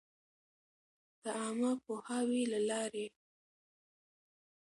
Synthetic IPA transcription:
d̪̥əɑmapohawilalɑɾe

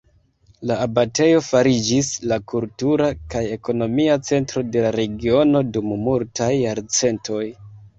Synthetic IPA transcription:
laːbate̞jo̞faɾid͡ʒislakultuɾakaje̞ko̞no̞miat͡se̞ntɾo̞de̞laɾe̞ɡio̞no̞dummultʰajːaɾt͡se̞ntʰo̞j

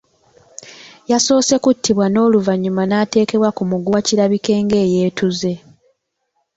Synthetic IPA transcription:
jaso̞ːse̞kutːiβwano̞ːluvaɲːumanaːte̞ːke̞βwakumuɡuaciɾaβike̞ːŋɡe̞ːje̞ːtʰuze̞

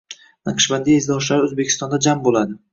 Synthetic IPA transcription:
nɨqʰɨ̥ʃband̪iezd̪ɒʃlaɾɪozbekʲʰɪst̪ɒnd̪ad͡ʒambolad̪ɪ

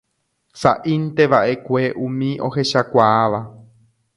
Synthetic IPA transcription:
sa̰ʔint̪e̞ʋaʔe̞kʷe̞ʔũmĩʔo̞̰ɦe̞ʃakʷaːʋa

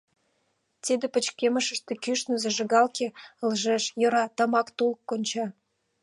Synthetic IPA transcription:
t̪id̪ĕpə̆t͡ɕkʲemə̆ʃə̆ʃt̪ĕkyʃnə̆zĕʒə̆ɣɑlkeə̆lʒeʃjɤ̆ɾɑt̪ə̆mɑkt̪ulkːonʲt͡ɕɑ

